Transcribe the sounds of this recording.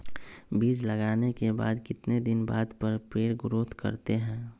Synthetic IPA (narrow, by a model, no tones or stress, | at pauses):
biːd͡ʒləɡaːnekeba̰ːd̪kɪt̪ned̪ɪnbaːd̪pəɾpɾeːɽɡʊɾoːt̪kə̰ɾt̪eɦɛ̃ː